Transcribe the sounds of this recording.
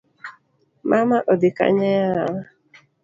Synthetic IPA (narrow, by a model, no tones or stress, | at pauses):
mamaʔɔdɪka̰ɲɛjaawa